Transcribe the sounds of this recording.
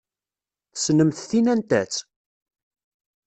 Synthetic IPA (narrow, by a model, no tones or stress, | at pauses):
θə̥snəmθθinænt̪æt͡s